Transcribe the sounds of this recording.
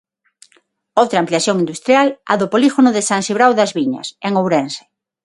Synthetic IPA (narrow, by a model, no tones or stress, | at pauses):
owt̪ɾaːmpliaθjoŋind̪ust̪ɾjala̰ðopoliɣonoðɪsaŋsiβɾawðɐzβiɲɐ̰seŋowɾense̥